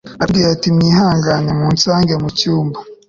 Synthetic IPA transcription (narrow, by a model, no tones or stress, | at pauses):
abɡijatimɲiːɦhaːŋɡanemuːnsaːŋɡemucuːmba